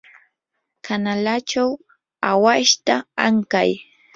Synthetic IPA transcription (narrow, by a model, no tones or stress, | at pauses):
kʰanalat͡ʃaw | awaʃt̪aaŋka̰j